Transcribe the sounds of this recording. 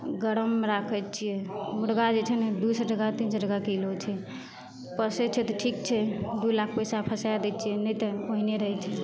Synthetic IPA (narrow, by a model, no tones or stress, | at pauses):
ɡəɾəmɾakʰət͡ʃʰijɛmuɽɡad͡ʒet͡ʃʰɛned̪usəd͡ʒəɡat̪insəd͡ʒəɡakelot͡ʃʰɛ | pəsɛt͡ʃʰɛt̪ɔʈʰik̚t͡ʃʰɛd̪ulakʰpəjsapʰəsajad̪ɛt͡ʃʰijɛnət̪əoɦineɾəɦɛt͡ʃʰɛ